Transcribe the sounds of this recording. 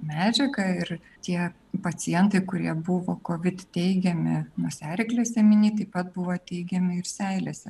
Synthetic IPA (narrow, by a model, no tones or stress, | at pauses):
mʲæːd͡ʒʲɛkɐɪɾ | t̪ʲiɛ | pɐt͡s̪ʲɪjɛnt̪ɐɪkʊɾʲiɛbʊʋoːkoːʋʲɪt̪t̪ʲɛɪɡʲɛmʲɪnuɔsʲæːɾʲɪklʲeːsʲɛmʲɪnʲiːt̪ɐɪpɐt̪̚bʊʋoːt̪ʲɛɪɡʲɛmʲɪɪɾsʲɛɪlʲesʲɛ